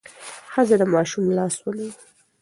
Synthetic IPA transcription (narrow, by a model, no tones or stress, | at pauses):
xəzad̪əmɑʃumlɑswəlawi